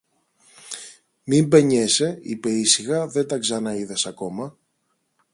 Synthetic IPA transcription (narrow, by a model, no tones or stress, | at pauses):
mimbe̞ɲe̞se̞ipe̞isiɣɐðe̞t̪ɐkzɐnɐiðɐsɐko̞mɐ